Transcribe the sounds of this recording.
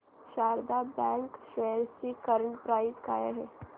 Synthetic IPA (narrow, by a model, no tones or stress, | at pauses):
ʃaːɾd̪abɛ̃ŋkʃɛɾsikəɾəɳʈpɾaːɪzkaːjaɦɛː